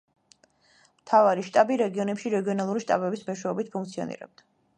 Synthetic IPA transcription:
mt̪ʰavaɾiʃt̪ʼabiɾɛɡiɔnɛpʃiɾɛɡiɔnalˠuɾiʃt̪ʼa̰bɛbismɔʃwɛɔbit̪̚pʰuŋkt̪sʰiɔ̰nḭɾɛ̰b̚d̪̥a

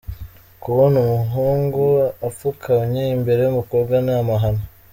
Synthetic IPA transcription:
kuβonumuɦuːŋɡuafukʰauɲeimbe̞ɾeumukobɡanamaɦano

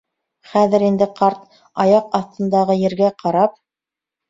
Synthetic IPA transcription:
χæðɘ̆ɾind̪ɘqɑɾt̪̚ | ɑjɑqɑθt̪ɤ̆nd̪ɑʁɤjɘ̆ɾɡæqʰɑɾɑp̚

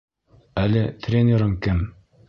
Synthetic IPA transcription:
ælɘt̪rʲenʲeɾɤŋkɘm

